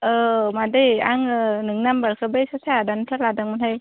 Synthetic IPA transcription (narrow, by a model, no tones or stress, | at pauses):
ɯmadɯja̰ŋnɯŋnambaɾkʰɯbɯjsasaadanpʰaɾladaŋmɯnhaj